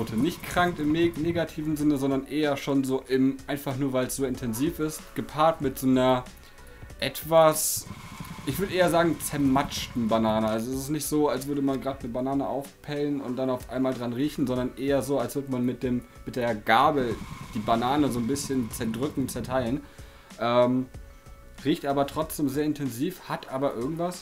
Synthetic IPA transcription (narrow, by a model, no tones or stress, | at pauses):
tʰənɪçt̚kʁ̥aŋkɪmneːɡatʰiːvn̩zɪnəzɔndɐnʔeːɐʃoːnzoːʔɪmʔaɪnfaχnuːɐvaɪlsz̥oːɪntʰɛnziːfɪstɡ̥əpʰaːɐtmɪtz̥oːnɐ | ʔɛtv̥as | ʔɪçv̥ʏɐdəʔeːɐzaːɡŋ̩t͡sɛɐmat͡ʃtn̩banaːnəalzoɛsɪstnɪçtz̥oːals̬v̥ʏɐɾəmanɡʁaːtnəbanaːnəʔa̰ʊfpʰɛlənʊ̰nt̚d̥anaʊfʔa̰ɪnmaːldʁanʁiːçn̩zɔndɐnʔeːɐzoːalsv̥ʏɐdəmanmɪt̚d̥eːmːɪt̚d̥eːɐɡ̥aɐbəd̥iːbanaːnəzoːnbɪsçənt͡sɛɐdʁʏkŋ̩t͡sɛɐtʰaɪlən | ʔɛːm | ʁiːçtʔaːbɐtʁ̥ɔt͡sd̥eːmzeːɐɪntʰɛnziːfhatʔaːbɐʔɪɐɡŋ̩tv̥as